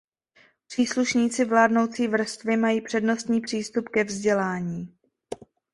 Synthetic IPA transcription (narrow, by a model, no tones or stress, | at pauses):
pr̝̥iːsluʃɲiːt͡sɪvlaːdno̞wt͡siːvr̩st̪vɪmajiːpr̥ɛdno̞st̪ɲiːpr̝̥iːst̪upkɛvzɟɛlaːɲiː